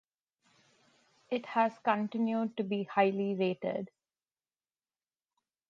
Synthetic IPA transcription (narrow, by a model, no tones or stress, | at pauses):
ɪʈhæzkə̃ɳʈɪ̃njuɖ̚ʈubiːhaɪliɾeːʈə̰ɖ